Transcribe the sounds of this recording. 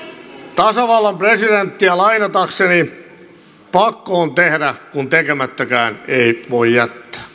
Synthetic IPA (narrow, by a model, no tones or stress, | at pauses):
t̪ɑsɑʋɑlːɑmpresident̪ːiælɑinɑt̪ɑkseni | pɑkːoːnt̪ehdækunt̪ekemæt̪ːækæːneiʋoijjæt̪ːæ̥ː